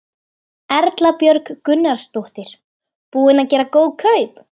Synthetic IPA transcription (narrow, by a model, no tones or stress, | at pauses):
ɛɾt̪lapjœɾkkʏnːaɾ̥st̪owht̪ɪɾ̥ | puːðɪnaðcɛːɾakowðkʰœɥp